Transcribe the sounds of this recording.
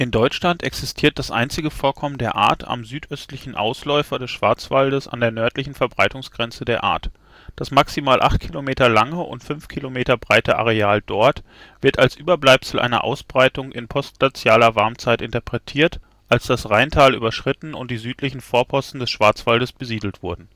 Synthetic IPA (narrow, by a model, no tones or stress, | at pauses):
ʔɪndɔʏʃlantʔɛ̰ksɪstʰiːɐt̚d̥asʔa̰ɪnt͡sɪɡəfoːɐkʰɔməndeːɐʔa̰ːɐta̰mzyːtʔœstlɪçn̩ʔa̰ʊslɔʏfɐdɛsʃv̥aɐt͡sv̥aldəsa̰ndeːɐnœɐtlɪçn̩fɛɐbʁaɪtʊŋsɡ̥ʁɛnt͡sədeːɐʔa̰ːɐt | d̥asmaksimaːlʔaχt̚kʰilomeːtɐlaŋəʔʊ̰ntfʏnfkʰilomeːtɐbʁaɪtəʔa̰ʁeaːldɔɐt | v̥ɪɐtalsʔyːbɐblaɪpsl̩ʔa̰ɪnɐ̰ʔa̰ʊsb̥ʁaɪtʊŋʔɪnpʰɔstɡ̥lat͡sjaːlɐvaɐmt͡saɪtɪntɐpʁ̥ɛtʰiːɐt | ʔalsd̥asʁaɪntʰaːlʔy̰ːbɐʃʁ̥ɪtn̩ʊ̰nt̚d̥iːzyːtʰlɪçn̩foːɐpʰɔstn̩dɛsʃv̥aɐt͡sv̥aldəsb̥əziːdl̩tv̥ʊɐdn̩